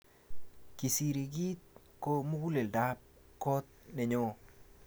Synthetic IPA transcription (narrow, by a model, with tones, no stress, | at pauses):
ki˨si˨ɾi˨ɡi˦t̪̚ | ko˦mu˦ɡu˦le˨lda˦p̚ | kɔ˦t̪̚nɛ˨ɲɔ˦˨